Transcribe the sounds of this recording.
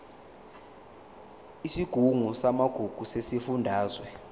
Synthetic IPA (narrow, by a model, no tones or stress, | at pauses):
isiɡ̥ʱuŋusamaɡ̥ʱuɡ̥ʱusesifundʱaːzwɛ